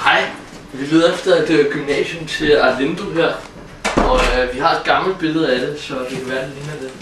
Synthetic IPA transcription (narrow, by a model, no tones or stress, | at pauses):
hɑ̈ɪ̰ | ʋiʋeðˠɐefd̥ɐæd̥eæɡ̥ymnɛ̰ːɕomt͡sʰe̝læle̝nd̥uɦæɐ̰ | ɒ̽ʋiɦɑ̈e̝d̥̚ɡ̥ɑ̈ml̩̚b̥e̝lð̞̩ˠæd̥e̝sɒ̽d̥e̝kʰæʋæːɐd̥eliːnæd̥e